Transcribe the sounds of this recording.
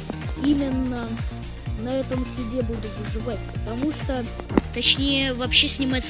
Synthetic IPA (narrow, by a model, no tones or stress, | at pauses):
imʲɪnːə | nɐɛt̪əmsʲʊdʲebud̪ʊt̪əʐɨvatʲpət̪ɐmuʂt̪o | t̪ɐt͡ɕnʲejəvɐpɕːesʲnʲɪmat̪ʲs